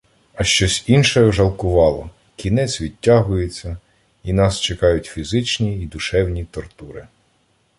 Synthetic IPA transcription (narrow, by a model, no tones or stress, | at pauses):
ɐʃt͡ʃɔsʲinʃɛʒɐlˠkʊʋɑlˠɔ | kʲinɛt͡sʲʋʲid̚ʲtʲːaɦʊjet͡sʲːɐ | inɑst͡ʃekɑjʊtʲfʲizɪt͡ʃnʲiːd̪ʊʃɛwnʲit̪ɔrt̪uɾɪ